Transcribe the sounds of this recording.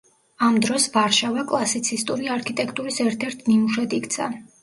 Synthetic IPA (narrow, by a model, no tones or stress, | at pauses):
amd̪ɾɔsvaɾʃavakʼlˠasit̪sʰist̪ʼuɾiaɾkʰit̪ʼɛkʰt̪ʼuɾisɛɾt̪ʰɛɾt̪ʰnimuʃɛd̪ikt̪sʰa̰